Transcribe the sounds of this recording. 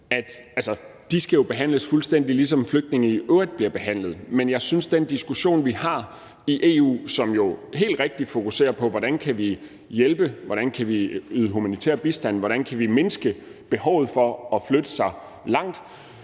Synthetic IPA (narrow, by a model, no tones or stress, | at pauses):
æd̥ælsɐd̥isɡ̥æjo̝b̥e̝ɦæn̰ləsfulsd̥en̰d̥ilis̬ɒ̽mfløɡ̥̚d̥ne̝ŋəiʔøɐd̥̚b̥liɐb̥e̝ɦæn̰lð̩ˠmenjɑ̈ɪsynsd̥end̥isɡ̥uɕo̝̰ːnʋihɑ̈ | iʔe̝ːṵːsɒ̽mjo̝ɦe̝̰ːld̥ʁeɡ̥̚d̥i̥fo̝kuse̝̰ːɐpʰɒ̽ʋɒɾ̥ænkʰæʋi | jelb̥əʋɒɾ̥ænkʰæʋiyːðˠəɦumænit͡sʰḛɐb̥isd̥æn̰ʋɒɾ̥ænkʰæʋime̝nəsɡ̥əb̥e̝ɦɒʊð̞̩ˠfɒɒ̽flød̥əsɑ̈ɪ | lɑ̈ŋ̰d̥